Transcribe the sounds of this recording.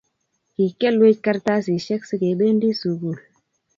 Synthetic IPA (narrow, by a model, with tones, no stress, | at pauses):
ki˨ke˦˨lwe˦c̚ka˦ɾta˦s̬i˨ʃɛ˦ksi˦ke˨˦ɓe˦ndi˦su˨ɡu˦˨l